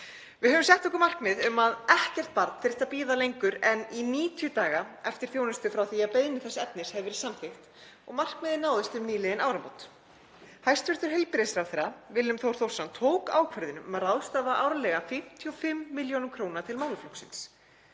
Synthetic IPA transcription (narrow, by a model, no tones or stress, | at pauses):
vɪðhœːvʏmsjɛht̪ɔhkʏɾmar̥kmɪːðʏmaðɛhcɛr̥t̪̚paɾt̪fɪɾɪ̥ht̪apiːðalejŋkʏɾɛniniːt̪ʰijʏt̪aːɣaɛft̪ɪɾ̥θjoːwnɪst̪ʏfɾawθiaðpejðɪnɪθɛsːɛpnɪɾ̥shɛvvɪɾsamcɪxt̪ | ɔɣmar̥kmɛːðɪnaːwðɪst̪ʏmniːlɪðɪnaːwɾampowt̪ | hajst̪vʏɾ̥t̪ʏɾ̥ɦɛlpɪɾsɾawθɛɾːavɪlːʏmθowɾ̥θowr̥sant̪ʰoːwka̰ːwkʰvɛɾðɪnʏmmaraːwst̪aːvaʔa̰ːwɾalɛɣafɪm̥t̪ʰiɔfɪmːɪljownʏmkʰɾownat̪ʰɪlmawlʏflowksɪ̰ns